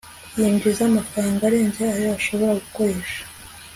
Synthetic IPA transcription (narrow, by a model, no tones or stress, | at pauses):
jeːɲɡezamafɾaːŋɡaɾe̞ːnzeajoaʃo̞βo̞ɾaɡuko̞ɾe̞ːʃḁ